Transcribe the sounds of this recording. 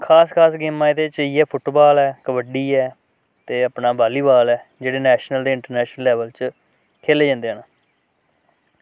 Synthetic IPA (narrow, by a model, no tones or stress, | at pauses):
kʰaːskʰaːsɡeːmːãːɪd̪eːt͡ʃiːɛːpʰʊʈbaːlɛːkəʋəɖiːɛː | t̪eːəpnaːbaːliːbaːlɛːd͡ʒeːɽeːnɛːʃnəld̪eːɪɳʈəɾnɛːʃnəlːɛːʋəlt͡ʃ | kʰeːleːd͡ʒãːnd̪eːɦəːnaː